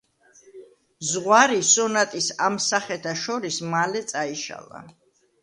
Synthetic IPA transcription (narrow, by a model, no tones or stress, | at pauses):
zʁwaɾisɔnat̪ʼisamsaχɛt̪ʰaʃɔɾismalɛt̪sʼaiʃa̰lˠa̰